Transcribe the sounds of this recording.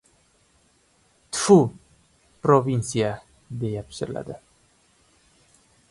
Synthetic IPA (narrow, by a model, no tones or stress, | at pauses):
t̪fu | pɾovinsia | d̪ejapsə̰la̰d̪a